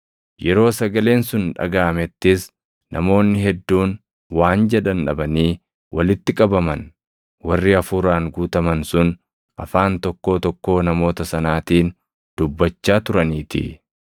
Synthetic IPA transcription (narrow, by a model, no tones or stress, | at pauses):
jɛɾo̞ːsɐɡɐle̞ːnsʊnᶑɐ̰ɡaːmɛt̪ːɪs | nʔɐ̰mo̞ːnːɪɦɛd̪ːuːn | waːnd͡ʒɛᶑɐnᶑɐ̰bɐniː | wʔɐlɪt̪ːɪkʼɐbɐmɐn | wɐrːɪɐfuːɾaːŋɡuːt̪ɐmɐnsʊn | ʔɐfaːnt̪ɔkːo̞ːt̪ɔkːo̞ːnɐmo̞ːt̪ɐsɐnaːt̪iːn | d̪̥ʊbːɐt͡ʃːaːt̪ʊɾɐniːt̪ɪ̰